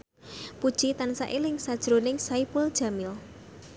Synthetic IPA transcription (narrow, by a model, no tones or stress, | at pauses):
pud̥ʒ̥it̪ansa̰ʔilɪŋsad̥ʒ̥ɾonɪŋsaipʊld̥ʒ̥a̤mɪl